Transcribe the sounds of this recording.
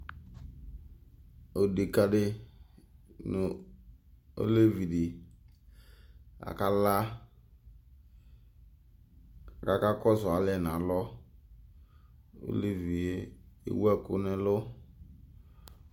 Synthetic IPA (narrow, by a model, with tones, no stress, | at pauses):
o˨de˨ka˦dɪ˦ | nʊ˨ | o̰˦le˦vi˨dɪ˨ | a̰˨ka˦la˦ | ka˨ka˦kɔ˦sɔ˨a˨lɛ˨n˨ã˨˦lɔ˦ | o̰˦le˦vi˨e˦ḭ˦wɛ˦kʊ̰˦nɛ˦lʊ˦